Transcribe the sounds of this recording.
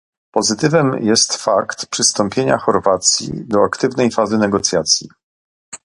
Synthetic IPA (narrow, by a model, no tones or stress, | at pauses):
pɔzɘt̪ɘvɛmjɛst̪fakt̪pʂɘst̪ɔmpʲjeɲa̰xɔɾvat̪sʲjḭd̪ɔakt̪ɘvnɛjfazɘnɛɡɔt̪sʲjat̪sʲjḭ